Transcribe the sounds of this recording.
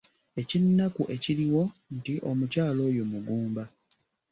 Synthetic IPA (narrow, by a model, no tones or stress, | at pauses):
e̞cinːakuʔe̞ciɾiwo̞ntiʔo̞mucaːlo̞ːjo̞muɡuːmba